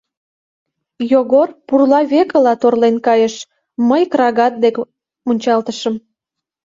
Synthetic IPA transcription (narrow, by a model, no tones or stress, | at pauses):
joɣorpurlɑβekə̆lɑt̪orlenkɑjəʃ | məjkrɑɣɑt̪̚d̪ek | munʲt͡ɕɑlt̪əʃəm